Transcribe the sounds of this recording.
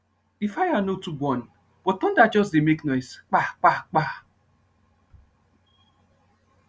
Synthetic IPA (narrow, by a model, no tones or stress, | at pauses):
ifajanotubɔn | b̥ɔtɔ̃ndad͡ʒɔsdemeknɔjsk͡pak͡pak͡pa